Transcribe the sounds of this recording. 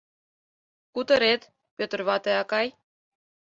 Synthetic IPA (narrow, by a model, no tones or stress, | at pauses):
kut̪ə̆ɾet̪ | pʲøt̪ə̆rβɑt̪eɑkɑj